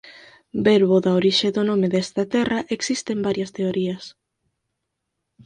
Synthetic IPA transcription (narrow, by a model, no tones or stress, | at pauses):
beɾβoðaoɾiʃeðonõmeðest̪ɐt̪ɛrɐʔeksist̪embaɾjɐst̪eoɾiɐs